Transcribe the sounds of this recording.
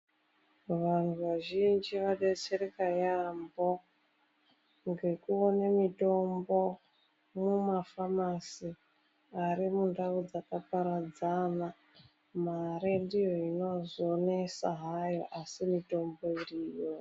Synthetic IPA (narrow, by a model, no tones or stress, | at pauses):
ʋan̤uʋaʒind͡ʒiʋaɗet͡seɾekajambo̞ | ŋɡe̞kuonemito̞mbo̞ | mumafamasi | aɾimundaud͡zakapaɾad͡zana | maɾendijo̞ino̞zone̞sa̰ɦajo̞̰ʔasimito̞mbo̞iriːjo